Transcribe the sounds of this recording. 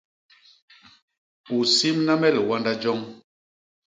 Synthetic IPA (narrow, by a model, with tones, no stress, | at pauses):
u˨si˦mna˦mɛ˦˨lwa˦nda˦d͡ʒɔ˦ŋ